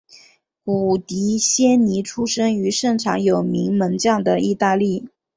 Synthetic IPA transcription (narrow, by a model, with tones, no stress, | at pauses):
ku˨˩t̪i˧˥ɕjɛ˥nni˧˥ʈ͡ʂʰu˥ʂɤ˥ŋy˧˥ʂɤ˥˩ŋʈ͡ʂʰɑ˧˥ŋjo˨˩ʊmi˧˥ŋmə˧˥ŋt͡ɕjɑ˥˩ŋd̪ə˩i˥˧t̪a˥˧li˥˩